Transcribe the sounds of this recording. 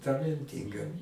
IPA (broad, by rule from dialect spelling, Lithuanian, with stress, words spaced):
tɐlʲɛnʲˈtʲiːŋɡɐ